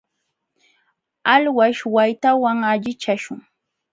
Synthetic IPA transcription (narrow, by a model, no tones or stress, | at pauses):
alwaʃwajt̪awaŋaʎɪt͡ʃaʃʊŋ